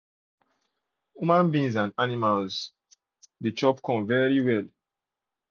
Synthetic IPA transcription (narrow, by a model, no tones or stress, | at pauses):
jumãnbĩŋzãnanimalz | det͡ʃɔpkʰɔ̃mvɛɹiwɛl